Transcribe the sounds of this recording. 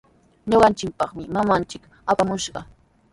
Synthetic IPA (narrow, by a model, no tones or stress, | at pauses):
ɲoɢɑnt͡ʃɪkpɑχmɪmamant͡ʃɪk | apamʊʃɢɑ